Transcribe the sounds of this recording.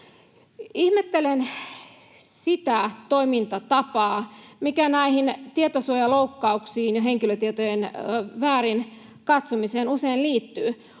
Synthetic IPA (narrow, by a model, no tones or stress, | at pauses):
ihmet̪ːelen | sit̪æt̪oimint̪ɑt̪ɑpɑːmikænæihint̪iet̪osuojɑloukːɑuksiːnjɑɦeŋkiløt̪iet̪ojenʋæːrin | kɑt̪somiseːnuseinliːt̪ːyː